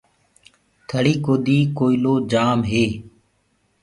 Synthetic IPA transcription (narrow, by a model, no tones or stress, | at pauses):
t̪ʰəɽiːkoːd̪iːkoːiloːd͡ʒaːmɦeː